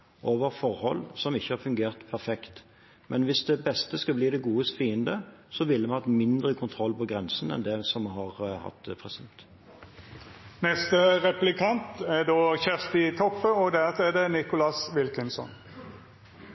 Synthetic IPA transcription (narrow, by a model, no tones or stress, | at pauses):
ʔoːʋəʁfɔʁhɔlːsɔmɪçːəhɑʁfʉŋɡeːʁt̪pʰæʁfɛkt̪ | mʔɛnʋɪsd̪ɛbɛst̪əskɑbliːd̪ɛɡuːəst̪fiːənd̪əsɔʋɪlːəmɛhɑt̪mɪnd̪ʁəkʰʊnt̪ʰʁɔlːpɔɡʁɛnsnɛ̰nd̪ɛsɔmɦɑʁhɑ̰t̪ːpʰʁɛsɪd̪ɛt̪ | nɛst̪əʁɛplɪkʰɑnt̪ɛɖ̪oːçɛʁst̪ɪt̪ʰɔpːəɔd̪æt̪ɛd̪ɛnɪkʊlɑsʋɪlkənsɔ̰n